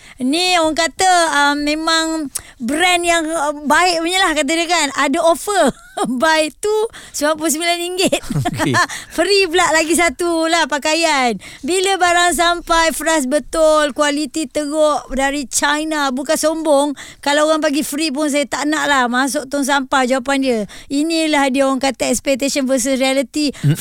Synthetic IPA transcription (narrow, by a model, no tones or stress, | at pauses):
nioɣaŋkat̪əəmːẽmaŋbɾɛnjaŋbaɪʔuɲəlahkat̪̬ədəkanadaofər | bajt̪usbap̬ʊsəmilaniŋɡɪt̪̚ | fəɾiblaʔlaɡis̬at̪ulahpakajanbiləbaɾaŋs̬ampajfəɾas̬bət̪ʊlkwalit̪it̪əɡɔʔdaɾit͡ʃajnabukansombɔŋkalaɣaŋp̬aɡifəɾip̬ʊns̬ajət̪aʔnaʔlahmas̬ʊʔ̚t̪ɔŋs̬ampajd͡ʒawapandiəinĩlahdiaoaŋkat̪aɛkspɛk̚t̪esɔnvəs̬əsɾialit̪i